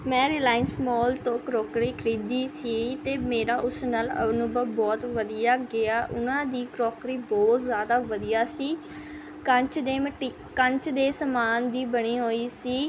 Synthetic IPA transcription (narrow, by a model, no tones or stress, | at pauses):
mɛ̃ːɾiːlaːɪnsmɔːlt̪õːkɾoːkɾiːkʰɾiːd̪iːsiːt̪eːmeːɾaːʔʊsnaːlə̰nũːbəbɔːt̪ʋəd̪iːjaːɡɪaːʔʊ̰nãːd̪iːkɾoːkɾiːbɔːt̪zjaːd̪aːʋəd̪ijaːsiː | kət͡ʃd̪eːməʈiː | kəɲt͡ʃd̪eːsəmaːnd̪iːbəɽiːɦoːiːsiː